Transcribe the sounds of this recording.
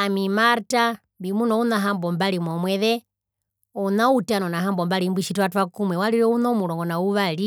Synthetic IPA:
amimaɾta | mbimunɔunaɦambɔmbalimɔmwɛðɛ | unautanɔnaɦambɔmbalimbiʃitwatwakumwɛwaliɾɛunɔmulɔŋɡɔnauβali

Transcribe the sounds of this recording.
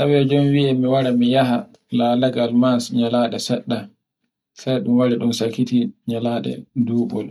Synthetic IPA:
sawɛd͡ʒɔmwiɛmiwaɾamijaɦa | laːlaɡalmansɲalaːɗɛsɛɗːa | sajɗumwaɾiɗunsakːitiɲalaːɗɛ̰duːɓɔ̰l

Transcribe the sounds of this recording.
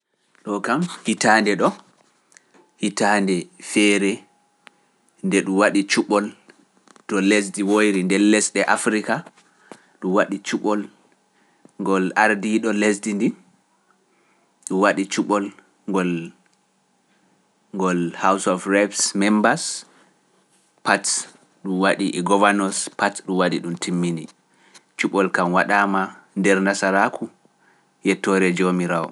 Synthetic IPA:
ɗɔkamhitaːndɛɗɔ | hitaːndɛfɛːɾɛ | ndɛɗumwaɗit͡ʃuɓɔl | tɔles̬diwojɾindɛlːɛsɗɛʔafɾika | ɗumwaɗit͡ʃuɓɔl | ŋɡɔlaɾdiɗɔlesdindi | ɗumwaɗit͡ʃuɓɔl | ŋɡɔl | ŋɡɔlhawsɔfɾabsmɛmbas | pat | ɗumwaɗiʔɛɡɔvanɔspatɗumwaɗiɗumtʰimːini | t͡ʃuɓɔlkamwaɗaːmandɛɾnasaɾakʰu | jɛtːɔɾɛd͡ʒomiɾawɔ̰

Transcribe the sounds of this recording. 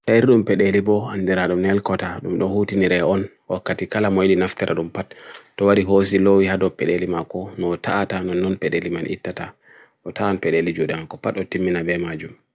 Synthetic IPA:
tajiɾɗumpɛɗelibɔandiɾaɗumnɛlkɔtaɗumɗɔhutiniɾɛɔn | wakːatikalamojlinaftɛɾʔa̰ɗumpatː | ɔwaɾiɦos̬ilowihadɔpɛɗelimakːɔnɔtʰaʔatanɔnːɔnpɛɗelimanʔḭtːata | ʔɔtaɔnpɛɗelid͡ʒuɗɛmakːɔpatɔtimːinabɛmad͡ʒum

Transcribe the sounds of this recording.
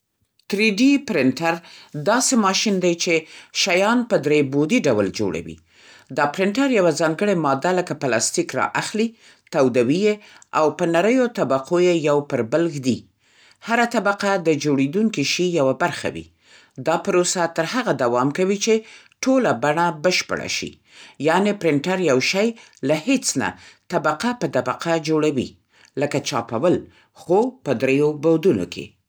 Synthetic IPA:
t̪ɾiɖipɾɪɳʈaɾd̪ɑsemɑʃind̪ajt͡ʃeʃajɑnpəd̪ɾebod̪iɖawld͡ʒo̰ɽa̰wḭ | d̪ɑpɾɪɳʈaɾjawazɑŋɡəɽemɑd̪aləkaplɑst̪ikɾɑ̰ʔaxli | t̪awd̪awijeawpənaɾəjot̪abaqʰojejawpəɾbalɡd̪i | haɾat̪abaqad̪əd͡ʒoɽed̪uŋkiʃijawabaɾxa̰wḭ | d̪ɑpəɾosat̪əɾhaɣad̪awɑmkawit͡ʃe | ʈolabaɳabəʃpə̰ɽa̰ʃḭ | jɑnepɾɪɳʈaɾjawʃaj | lahet͡sna̰t̪abaqapət̪abaqʰad͡ʒoɽawḭ | ləkat͡ʃɑpawəl | xopəd̪ɾejobawd̪uno̰kʰḛ

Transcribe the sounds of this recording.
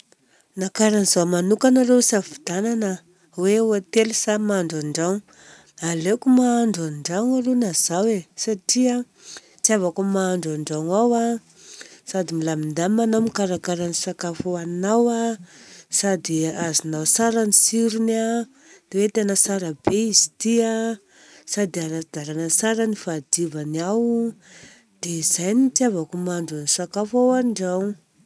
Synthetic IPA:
nakaɾanizawmanukanaɾewsavi̥d̪̥ananə | weuat̪elusamaaɳɖ͡ʐaɳɖ͡ʐaŋ | alekumaːɳɖ͡ʐaɳɖ͡ʐaŋaɾenaz̥awesaʈ͡ʂia | t͡siavakumaːɳɖ͡ʐaɳɖ͡ʐaŋawa | sad̪imilamind̪amːanamikaɾakaɾanisakafuanawa | sad̪iazinawsaɾanisiɾuna | d̪̥ewet̪enəsaɾabeizit̪ia | sad̪iaɾad̪̥aɾanasaɾanifad̪ivaniaw | d̪̥eizajnit̪iavakumaɳɖ͡ʐanisakafawanɖ͡ʐaw

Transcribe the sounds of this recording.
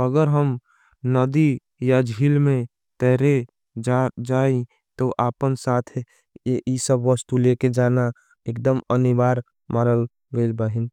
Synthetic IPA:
əɡəɾɦəm | nəd̪i | jad͡ʒʱiːlmẽ | t̪ɛɦɾe | d͡ʒad͡ʒaːe | t̪oʔaːpənsaːt̪ʰ | isəbʋəst̪uleked͡ʒaːna | ek̚d̪əmənibaːɾ | maːɾəl | ɡelbəɦin

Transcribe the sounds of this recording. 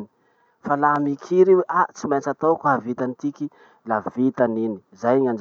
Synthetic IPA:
ni̥ | falamikʰiɾeweʔat͡simat͡sat̪okɦavit̪anit̪iki | lavit̪anini̥zajɲand͡ʒ

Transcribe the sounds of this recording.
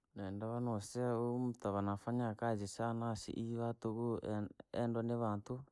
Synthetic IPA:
nɛndaβanɔsiaom̩t̪aβanafaɲakazisanasḭʔiβatoɣoɛ̰ndwaneβantu

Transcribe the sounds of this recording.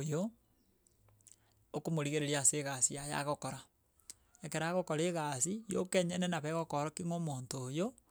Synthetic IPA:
jo | okomoɾiɣeɾeɾiaseɣasiaja̰ɣokoɾa | ekeɾaɣokoɾeɣasijo̰keɲenenaβɛɣokoɾokiŋomontoːjo

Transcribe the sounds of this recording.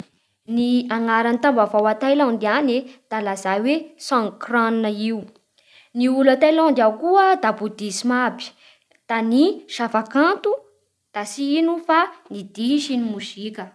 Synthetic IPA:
niaŋaɾanit̪ambavawat̪ajlɔ̃nd̪ianed̪̥alazawesãŋkrannəiu | niulat̪ajlɔ̃nd̪akuəd̪abud̪isimabi̥ | d̪̥aniʃafakãnt̪u | d̪̥asiinufanid̪iʃinimuʃikə

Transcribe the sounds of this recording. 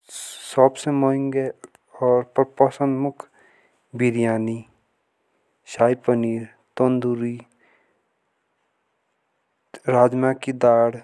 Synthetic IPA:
sɔbsemoɦɪ̃ŋɡe | ɔːɾpəpɔsə̃nd̪mʊkʰ | biɾijaːni | ʃaːjpəniːɾ | t̪õnd̪uɾi | ɾaːd͡ʒmakid̪aːɽ

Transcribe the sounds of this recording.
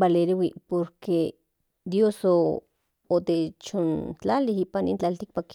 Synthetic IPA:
baleɾiwipoɾke | d̪josoː | t̪et͡ʃont͡ɬalihiːpanḭnt͡ɬalt̪ik̚pak

